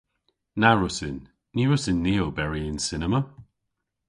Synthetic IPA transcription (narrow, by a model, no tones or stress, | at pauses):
naɹʊsɪnː | iɹʊsɪnːiːəlˠbɛɹiɪnsɪnəmə